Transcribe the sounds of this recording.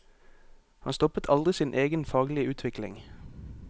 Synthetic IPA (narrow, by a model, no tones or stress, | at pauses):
hɑ̰nst̪ɔpət̪ʰɑld̪ʁɪsiːnʔeːɡənfɑːɡlɪəʉːt̪ʰʋɪklɪ̰ŋ